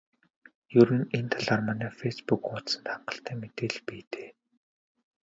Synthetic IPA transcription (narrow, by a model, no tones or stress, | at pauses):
jɵɾɘ̆nent̪ʰaɮarmanæːfespukʊt̪sə̆nt̪χaɴɢə̆ɬt̪æːmet̪eːɮpiːt̪e̥ː